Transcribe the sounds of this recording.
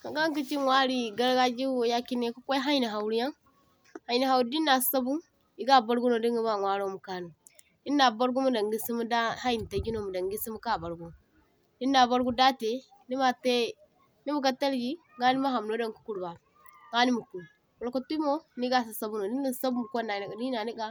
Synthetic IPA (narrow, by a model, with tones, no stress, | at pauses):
ka˨ɡa˦ŋ˦ki˦t͡ʃi˦ŋwʷa˦ɾi˦ɡa˦ɾɡa˦d͡ʒi˦o˨ja˦ki˦ne˦ku˦kʷo˦ɦa˦jni˨ɦa˨wu˨ɾi˦ja˦ŋ | ha˨i˨ni˨ɦa˨wɾi˦di˦nːa˨ssa˦bu˦ | i˦ɡa˦ba˦ɾɡu˦no˨di˦ŋi˦ba˦˨ŋʷa˦ɾo˦mu˨ka˦nu˨ | di˦nːa˨ba˦ɾɡu˦mu˦da˨ŋɡi˦si˦mu˦da˦ha˦ji˨n˨ta˨ɡi˦no˨mu˨da˨ŋɡi˦si˦mu˦ka˦˨ba˨ɾɡo˦ | di˦na˨ba˦ɾɡu˦da˦te˨ | ni˦ma˦te˦ | ni˦mu˦˨ka˦ta˦lɡi˦ | ɡa˦ni˦ma˦ɦa˨m˨no˦da˦˨ŋ˨ku̥˦ku˨ɾba˨ | ŋɡa˦ni˦mu˨ku˨ | wu˨lka˦tu˦mo˦ni˦ɡa˦˨s̬i˨sa˦bu˦no˨di˦ni˦˨˦sa˦bu˦mu˨kʷo˦na˨n˨di˦na˨ni˦ɡa˦